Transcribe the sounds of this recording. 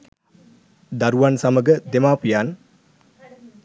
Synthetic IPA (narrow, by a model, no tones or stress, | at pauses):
d̪aɾuʋansaməɡəd̪emaːpijan